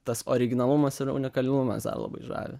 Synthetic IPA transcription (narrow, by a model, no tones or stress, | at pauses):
t̪ɐsoːɾʲɪɡʲɪnɐlˠʊmɐsɪɾʊ̰nʲɪkɐlʲɪnʊmɐ̰sd̪ɐ̰rlˠɐ̰bɐ̰ɪʒɑ̰ːʋʲḛ